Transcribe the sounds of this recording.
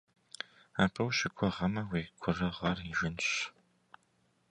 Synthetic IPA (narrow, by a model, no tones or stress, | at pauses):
aːpʰɐwɕɪkʷʰɔʁɐmɐweːkʷʰʊrɐʁɐriʒɪnɕ